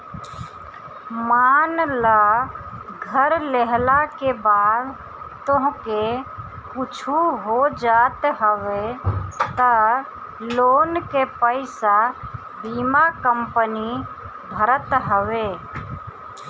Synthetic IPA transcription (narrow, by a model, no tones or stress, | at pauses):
manla | ɡʱəɾleɦlakebaːd̪ | t̪oɦke | kut͡ʃʰuɦod͡ʒat̪ɦəʋet̪ə | lonkepəɪsa | biːmakəmpəni | bʱəɾət̪ɦəʋe